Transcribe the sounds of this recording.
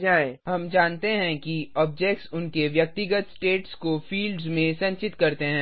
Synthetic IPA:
d͡ʒaːẽɦɐmd͡ʒaːnt̪eɦɛ̃kiɔːb̚d͡ʒɛk̚ʈsʊnkeʋjɐk̚t̪ɪɡət̪sʈeːʈskofiːlɖzmẽsɐ̃ɲt͡ʃɪt̪kɐɾt̪eɦɛ̃ː

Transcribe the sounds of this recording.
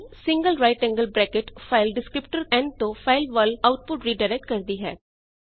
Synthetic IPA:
sɪ̃ŋɡəlɾaːɪʈɛ̃ːŋɡəlbɾɛːkɪʈfʰaɪlɖɪskɾɪpʈəɾɛ̃ɳt̪õːfʰaːɪlʋəlaʊʈ̚pʊʈɾiːɖaɪɾɛk̚ʈ̚kəɾd̪iːɦɛː

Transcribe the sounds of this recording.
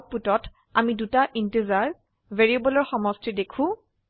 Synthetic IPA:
putɔt | amidutaʔintezaɹ | veɹebɔlɔɹxɔmɔstidekʰʊ̃

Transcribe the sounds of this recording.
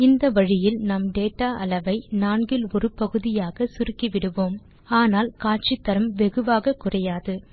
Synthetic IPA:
ɪnd̪ɐʋɐɻɪjɪlnɐmɖeːʈːaːʔɐlɐʋɐɪnaːɳɡɪlɔɾɯpɐɣɯðɪjaːɣɐsʊɾɯkːiʋɪɽɯʋoːm | aːnaːlkaːʈ̚t͡ʃɪt̪ːɐɾɐmʋɛɣɯʋaːɣɐkʊrɐjaːðɯ

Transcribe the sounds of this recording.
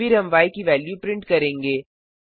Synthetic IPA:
iɾɐ̃mʋaːikiʋɛːljupɾɪ̃ɳʈkɐɾẽːŋɡeː

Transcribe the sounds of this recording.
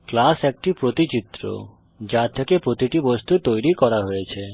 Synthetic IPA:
klasek̚ʈipɾot̪it͡ɕit̪ːɾo̰ | d͡ʑaɾt̪ʰekepɾot̪iʈibost̪ʰut̪ojɾikɔɾaɦojet͡ɕʰe

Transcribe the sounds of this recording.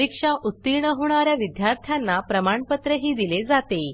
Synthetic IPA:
ikʂaʔut̪ːiɾɳəɦoɳ̃aɾjaʋid̪jaɾt̪ʰjanːapɾəmaɳpət̪ɾəɦiːd̪iled͡zat̪e

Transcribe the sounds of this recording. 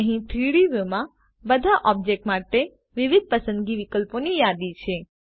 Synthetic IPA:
əɦĩt̪ʰɾiɭiʋomã | bəd̪ʱaʔɔb̚d͡ʒek̚ʈmaʈe | ʋiʋid̪̚pəsə̃nd̪ɡiʋikəlponijad̪it͡ʃʰe

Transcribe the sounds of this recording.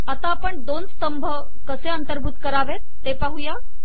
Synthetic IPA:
at̪aːpəɳd̪onst̪əmbʱə | kəseənt̪əɾbʱut̪kəɾaʋet̪ːepaɦuja

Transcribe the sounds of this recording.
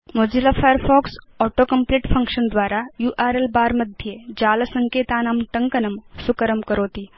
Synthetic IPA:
mod͡ʑilafajəɾfɔksɔʈokəmpliːʈfəŋkʂənd̪ʋaɾajuʔaɾelbaɾməd̪ʱjed͡ʑalsəŋket̪anamʈəŋkənəmsukəɾəmkəɾoːt̪iː

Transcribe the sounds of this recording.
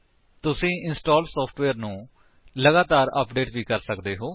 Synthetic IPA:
t̪ʊsĩːʔɪnsʈoːlsɔːpʰʈʋeːɾnũː | ləɡaːt̪aːɾə̰pɖeːʈʋiːkəɾsəkd̪eːɦoː

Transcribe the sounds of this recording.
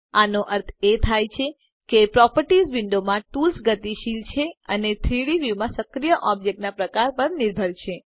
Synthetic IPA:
anoʔəɾt̪ʰet̪ʰajt͡ʃʰe | kepɾɔpəɾʈizʋɪɳɖomãʈulsɡət̪iʃilt͡ʃʰeənet̪ʰɾiɽiʋjumãsəkɾijəʔɔbd͡ʒek̚ʈnapɾəkaɾpəɾnɪɾbʱəɾʃʰe

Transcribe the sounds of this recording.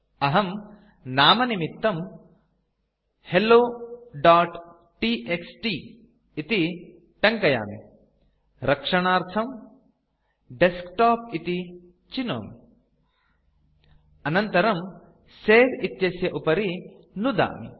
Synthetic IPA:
ɐɦɐm | naːmɐnimit̪ːɐm | heloːɖaːʈ | ʈiːʔeksʈiː | t̪i | ʈɐŋkɐja̰ːmḭ | ɾɐkʂɐɳaːɾt̪ʰɐm | ɖeskʈaːpit̪i | t͡ʃino̰ːmi | ɐnɐnt̪ɐɾɐm | seːɾit̪jɐsjɐʔupɐɾi | nud̪a̰ːmḭ

